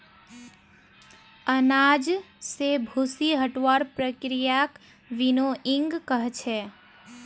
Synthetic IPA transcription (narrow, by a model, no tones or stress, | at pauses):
ənad͡ʒ | sebʱusiɦəʈʋəɾpɾəkɾijak | ʋinoʔĩŋɡkəɦt͡ʃʰɛ